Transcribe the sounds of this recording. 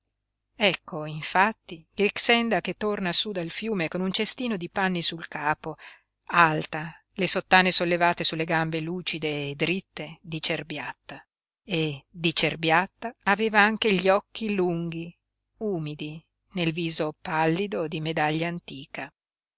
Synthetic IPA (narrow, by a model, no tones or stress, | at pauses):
ɛkʰːoiɱfat̪ːiɾiksɛnd̪ak̟et̪ːornasud̪alfjuːmekonunt͡ʃest̪iːnod̪ipanːisulkaːpo | alt̪a | lesot̪ːaːnesolːevaːt̪esulːeɡambeluːt͡ʃid̪eːd̪ɾit̪ːed̪it͡ʃerbjat̪ːa | ed̪it͡ʃerbjat̪ːaːveːvaaŋk̟eʎɔk̟ːiluŋɡ̟i | uːmid̪i | nelviːzopalːid̪od̪imed̪aʎːaːnt̪iːka